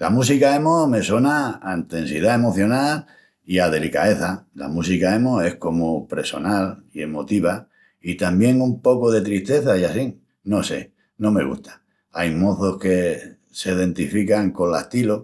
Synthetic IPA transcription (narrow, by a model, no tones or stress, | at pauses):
lamus̬ikae̞mo̞me̞swo̞naːint̪ẽ̞nsið̞ae̞mo̞θjo̞nal | iað̞e̞lika̰e̞θala̰musikae̞moe̞hko̞mopɾe̞so̞nalie̞mo̞t̪iβ̞a | it̪ambje̞ŋumpo̞koðe̞t̪ɾiht̪e̞θaiasi | no̞se̞ | nõ̞me̞̰ɣ̞ṵht̪ḁ | ajmo̞θo̞hke̞ | seðẽ̞nt̪ifikaŋko̞nlaht̪ilo